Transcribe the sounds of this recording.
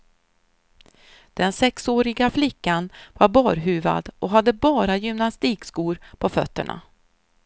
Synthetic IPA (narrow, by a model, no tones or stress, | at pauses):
d̪̥ɛnsɛksoːɾɪɡaflɪkːanvaɾbɑːɾɦʉ̟ːva̰d̪ʔɔɦad̪ːəbɑːɾajʏmnast̪iːkskuːɾpʰɔfœ̰t̪ːəɳa̰